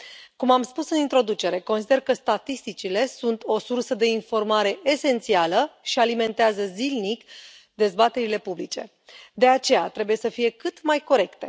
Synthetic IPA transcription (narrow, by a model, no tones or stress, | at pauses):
kumamspusɨnint̪ɾo̞d̪ut͡ʃe̞ɾe̞ko̞nsid̪e̞rkəst̪at̪ist̪it͡ʃile̞sunt̪ʰo̞sursəd̪e̞info̞rmaɾe̞ʔese̞nt̪sialəʃialime̞nt̪eazəzilnik | d̪e̞zbat̪e̞ɾile̞publit͡ʃe̞ | d̪e̞at͡ʃe̞jat̪ɾe̞buje̞səfije̞kɨt̪majko̞ɾe̞kt̪e̞